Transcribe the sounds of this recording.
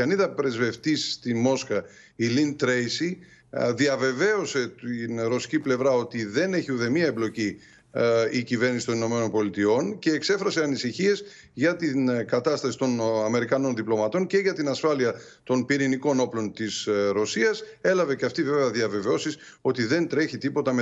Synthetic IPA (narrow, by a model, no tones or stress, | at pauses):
ɐniðɐpɾe̞zve̞ft̪isːt̪imo̞skɐ | ilint̪ɾejsi | ðiɐve̞ve̞o̞se̞t̪inɾo̞si̥ciple̞vɾɐo̞t̪iðe̞ne̞çiuðe̞miɐeblo̞ci | icive̞ɾnisit̪onino̞me̞no̞npo̞lit̪io̞nce̞ːkse̞fɾɐse̞ɐnisiçie̞z | ʝɐt̪inkɐt̪ɐst̪ɐsi̥t̪onɐme̞ɾikɐno̞nðiplo̞mɐt̪o̞nce̞ʝɐt̪inɐsfɐliɐ | t̪o̞npiɾiniko̞no̞plo̞nt̪isɾo̞siɐse̞lɐve̞ceɐft̪ive̞veɐðiɐve̞veo̞sis | o̞t̪iðe̞nt̪ɾe̞çit̪ipo̞t̪ɐme